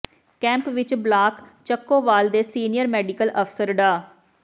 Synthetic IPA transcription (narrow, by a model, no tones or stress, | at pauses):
kɛ̃ːmpʋɪt͡ʃblaːkt͡ʃəkːoːʋaːld̪eːsiːnɪjəɾmɛːɖɪkəlʔəpʰsəɾɖaː